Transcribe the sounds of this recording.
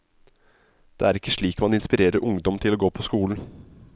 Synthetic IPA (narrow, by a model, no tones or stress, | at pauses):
d̪̥ḛːæɾɪkːəʂɭiːkmɑnɪnspɪɾeːɾəɾʔʊŋd̪ɔmt̪ʰɪloːɡoːpʰɔskuːln̩